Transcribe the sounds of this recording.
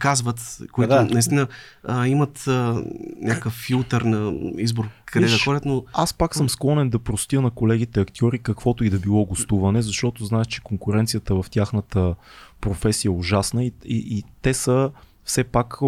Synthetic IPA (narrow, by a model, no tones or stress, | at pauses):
kazvət̪koid̪ʊnɐist̪inəəimɐt̪ənʲʔakəkəfːilˠt̪əɾnɐizboɾkʰɐd̪ɛd̪ɐxɔdʲət̪noaspaksɤmsklˠɔnɛnd̪ɐpɾost̪ʲjənɐkolɛɡ̟it̪ɛɐkt̪ʲjɔɾikəkvɔt̪ʊid̪ɐbilˠɔɡost̪uvɐnɛzɐʃt̪ɔt̪oznaɛʃt͡ʃɛ̥koŋkʊɾɛnt̪sijət̪əɛvɐft̪ʲaxnət̪əpɾofɛsijəɛʊʒasnəiḭit̪ɛsə | fsɛpak